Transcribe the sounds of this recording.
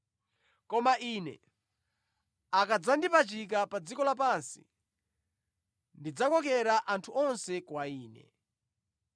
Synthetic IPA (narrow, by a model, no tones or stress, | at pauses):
kɔmaʔiːnɛ̰ | akad͡zandipat͡ʃik̬apad͡zikɔlap̬ansḭ | ndid͡zakɔk̬ɛɾaʔantʰuɔnsɛkwaiːnɛ̰